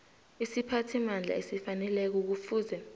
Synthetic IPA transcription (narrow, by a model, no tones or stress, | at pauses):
isipʰatʰimand͡ɮʱa̰esifanɛlɛk̬uk̬ufuːzɛ